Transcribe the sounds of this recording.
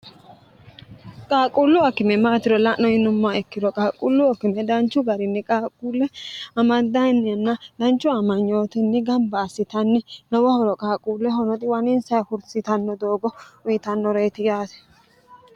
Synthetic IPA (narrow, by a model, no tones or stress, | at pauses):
kʼaːkʼʊlːʊɐkːɪmɛmaːt̪ɪɾɔlɐʔnːɔjɪnʊmːaɛkːɪd̪ɔkʼaːkʼʊlːʊɐkːɪmɛd̪ɐnt͡ʃːʊɡɐɾɪnːɛkʼaːkʼuːlːɛɐmɐd̪ːɐnːɪɐnːɐd̪̥ɐnt͡ʃːʊɐmɐɲːo̞ːt̪ɪnːɛɡɐmbɐːsːɪt̪ɐnːɛnɔwɐhɔɾɔkʼaːkʼuːlːɛɦɔnɔt̪ʼɪwɐnɪnsɐjhʊɾsɪt̪ɐnːɔd̪o̞ːɡɔʊjɪt̪ɐnːɔɾeːt̪ɪjaːsɛ̥